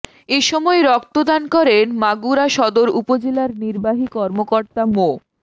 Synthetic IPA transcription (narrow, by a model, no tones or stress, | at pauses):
eʃɔmɔeɾɔkt̪od̪ankɔɾenmaɡuɾaʃɔd̪oɾupod͡ʑelaɾniɾbaɦikɔɾmokoɾt̪amo